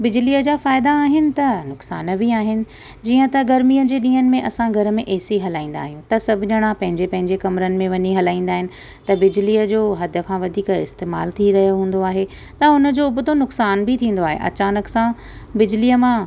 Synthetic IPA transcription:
bɪd͡ʑɪliːəd͡ʑaːfaːɪd̪aːɦɪnɪ̆t̪ɐnʊksa̰ːnəbiaːɦɪnɪ̆ | d͡ʑiːə̃t̪ɐɡɐɾmiːəd͡ʑeːɗĩːɦənɪ̆mẽʔɐsãɡʱɐɾə̆mẽʔeːsiɦɐlaːĩːn̆d̪a̰ːɦijũt̪ɐsɐbʱʊɲəɽ̃ãpɐ̃ɦɪ̃ɲd͡ʑepɐ̃ɦɪ̃ɲd͡ʑekɐmɾənɪ̆mẽʋɐɲiɦɐlaːĩːnd̪aːɦɪnɪ̆ | t̪ɐbɪd͡ʑliːəd͡ʑoːɦɐd̪ʱə̆kʰãʋɐd̪ʱiːkɪ̰st̪eːma̰ːlt̪ʰiɾɐɦijoɦũːn̆d̪oaːɦe | t̪ɐʊnə̆d͡ʑoʊbʱʊt̪onʊksaːnbʱit̪ʰĩːn̆d̪oaːɦḛʔɐ̰t͡ɕaːnəksã | bɪd͡ʑliːəmã

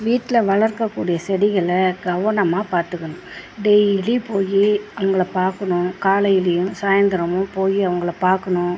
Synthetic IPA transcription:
ʋiːʈːɪlɐʋɐɭɐɾkɐkːuːɽɪjɐsɛɽɪɣɐɭɐɡɐʋɐɳɐmaːpaːɾt̪ɯkːɐɳʊ̃ | ɖɛjɪlipoːjiɐʋɐŋɡɐɭɐpaːɾkɐɳʊ̃kaːɭɐɪlɪjɯ̃msaːjɐnd̪ɐɾɐmʊ̃poːjiɐʋɐŋɡɐɭɐpaːɾkɐɳʊ̃

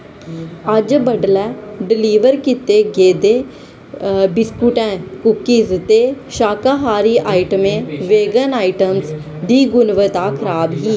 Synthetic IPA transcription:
əd͡ʒbəɖlɛːɖɪliːʋəɾkɪt̪eːɡeːd̪eː | bɪskuʈɛ̃ːkʊkːiːzt̪eːʃaːkaːɦaːɾiːʔaːɪʈəmẽːʋeːɡənaːɪʈəms | d̪iːɡʊnʋət̪aːkʰəɾaːbɦiː

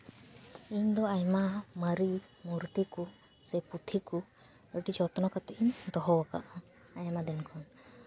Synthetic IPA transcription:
iɲd̪ɔajmamaɾi | muɾt̪iku | sɛput̪ʰiku | eʈid͡ʒɔt̪nɔkat̪ɛʔiɲd̪ɔɦɔwaka̰ʔa | ajamad̪ɛnkʰɔn

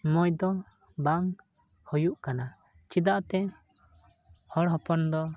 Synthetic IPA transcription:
mɔjd̪ɔ | baŋ | hɔjuʔkana | t͡ʃid̪aʔt̪ɛ | hɔɽɦɔpɔnd̪ɔ

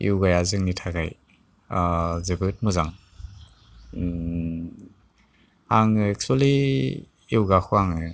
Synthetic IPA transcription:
ḭwɡajazɯŋnitʰaɡaj | zɯbɯt̚mɯzaŋ | aŋɛk̚swɔliː | wɡakʰuaŋɯ

